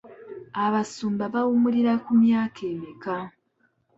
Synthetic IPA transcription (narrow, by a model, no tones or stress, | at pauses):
aβasuːmbaβawumuɾiɾakumjaːkʰeːmika